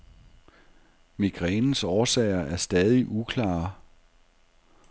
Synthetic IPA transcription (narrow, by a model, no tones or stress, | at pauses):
miɡ̥ʁɛːnn̩sɒːsɛ̰ɪɐʔæɐsd̥ɛð̞ˠiʔukʰlɑ̰̈ː